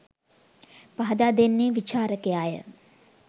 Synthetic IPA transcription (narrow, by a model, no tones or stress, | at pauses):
paɦɐd̪aːd̪enːeːʋit͡ʃaːɾəkejaːjə̰